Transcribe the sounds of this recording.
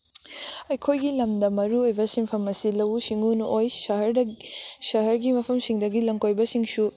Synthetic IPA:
ɐjkʰojɡilɐmdɐmɐɾuojbɐsimpʰɐmɐsilɐwsiŋunuʔojsɐɦɐɾdɐsɐɦɐɾɡimɐpʰɐmsiŋdɐɡilɐŋkojbɐsiŋsu

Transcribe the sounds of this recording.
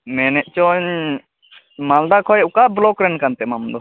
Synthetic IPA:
mɛnɛʔt͡ʃɔɲ | mald̪akʰɔjʊkablokɾenkant̪emamd̪o

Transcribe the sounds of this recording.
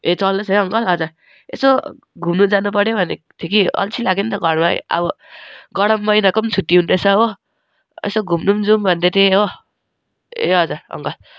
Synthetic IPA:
et͡sʌlnʌsʌjʌŋɡʌlʌd͡za | ḛso | ɡʱumnud͡zanupʌɽjobʱʌnet̪ʰikiʌ̰lt͡sʰilaɡent̪ʌɡʌɽma̰ʌ̰bʌ | ɡʌɽʌmːʌjnakont͡sʰut̪ːiɦunt̪et͡sʰʌɦo | ḛsoɡʱumnumd͡zumbʱʌnd̪et̪ʰeɦo | ḛɦʌd͡zaʌ̰ŋɡʌl

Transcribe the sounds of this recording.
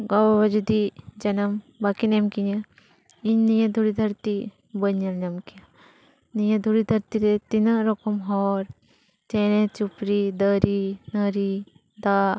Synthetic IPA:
ɡɐwɐʋɐd͡ʒud̪id͡ʒɐnɐm | bakinemkiɲɐ | iɲnijɐd̪ʱuɽid̪ʱɐɾt̪i | bəɲːɐlɲɐmkiɐ | nijɐd̪ʱuɽid̪ʱɐɾt̪iɾet̪inɐɾokɐmɦoːɾ | t͡ʃeːnet͡ʃupɾid̪ɐɾinɐɾi | d̪aː

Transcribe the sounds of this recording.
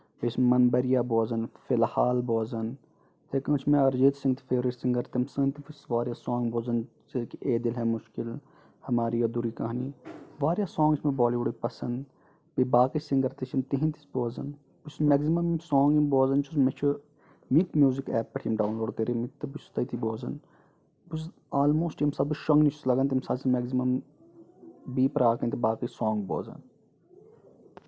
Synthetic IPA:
besmɐnbɐɾijaːboːzɐnfɪlhaːlboːzɐn | t̪ʰekɐ̃ːt͡ʃʰimẽɐɾd͡ʒeːt̪sĩŋɡt̪i̥feːɾisĩŋɡɐɾt̪imsɨnt̪ifisʋaːɾjaːsoːŋɡboːzɐn | t͡ʃikieːd̪ilɦɛːmʊʃkil | hɐmaːɾijod̪uɾiːkɐɦaniːʋaːɾjaːsoːŋɡismẽboːliːʋuɖipɐsɐnd̪ | bibaːkisĩŋɡɐɾt̪it͡ʃʰimt̪iɦĩnt̪i̥sboːzɐn | busmɛːɡzimɐmimsoːŋɡimboːzɐnt͡ʃʰuzmet͡ʃʰu | mikmjuːzikɛːpːɐʈʰijɐmɖaːwnloːɖt̪eːɾimit̪ːɐbust̪ɐit̪ʰiboːzɐn | bus | aːlmoːsʈimsɐbuʃɐŋɡnit͡ʃʰu̥slɐɡɐnt̪̬imsaːsimɛɡzimɐm | biːpɐɾaːkɐ̃nt̪ibaːkisɔːŋɡbo̰ːzɐ̰n

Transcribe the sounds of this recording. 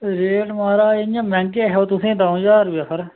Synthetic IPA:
ɾeːʈmaːɾaːeãːmɛ̃ːŋkeːɦɛoːt̪ʊsẽːd̪ãːõd͡ʒaːɾjaːsəɾ

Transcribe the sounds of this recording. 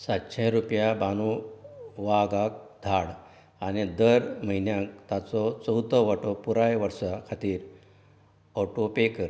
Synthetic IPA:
sat̪ɕajɾupjabanu | ʋaɡak̚d̪ʱaɽ | anid̪əɾməɦinjãkt̪at͡sɔt͡səwt̪ɔʋaʈopuɾajʋəɾʂakʰat̪iːɾ | ɔʈopekəɾ

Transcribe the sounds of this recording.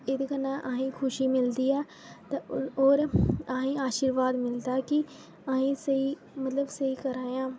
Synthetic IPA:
ɪd̪kənãːʔaːɦĩːkʰʊʃiːmɪld̪iːɛː | t̪aoːɾaːɦĩːaːʃiːɾʋaːd̪mɪld̪aːkɪ | aɦĩːsəiː | mət̪ləbsəiːkəɾaːjãː

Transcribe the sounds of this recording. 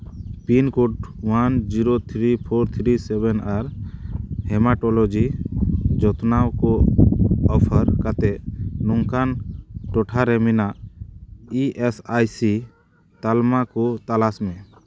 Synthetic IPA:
pinkuʈwand͡ʒiɾot̪ʰɾipʰɔɾt̪ʰɾisɛbɛnaɾ | hɛmaʈɔlɔd͡ʒi | d͡ʒɔt̪nawkɔ | ɔpʰəɾkat̪ɛnɔŋkanʈɔʈʰaɾɛminaʔ | iʔesajsi | t̪almakɔt̪alasmɛ

